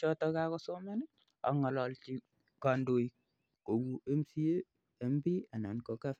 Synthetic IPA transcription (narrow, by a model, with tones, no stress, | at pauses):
t͡ʃɔ˦tɔ˦ka˦kɔ˦so˦ma˦n˦ | a̰˨ŋɔ˨lɔ˨lt͡ʃi˦ | ka˨ndo˨j | ko˨wu˦e˦msi˦eː˦˨˦ | mbi˦a˨na˨nkɔ˨ka˦f